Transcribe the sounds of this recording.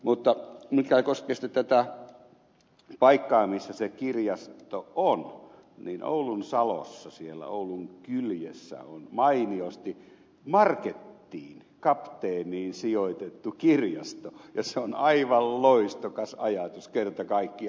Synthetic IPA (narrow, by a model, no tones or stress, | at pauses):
mut̪ːɑmikækoskest̪ɑt̪æt̪æ | pɑikːɑːmisːæsekirjɑsttt̪oon | niːnʔo̰ulunsɑlo̰sːɑsielːæ̰ouluŋkyljesːæ̰onmɑiniost̪i | mɑrket̪ːiːn | kɑpt̪eːniːnsijoit̪et̪ːukirjɑst̪ojɑseonɑiʋɑlloist̪okɑsɑjɑt̪uskert̪ɑkɑikːi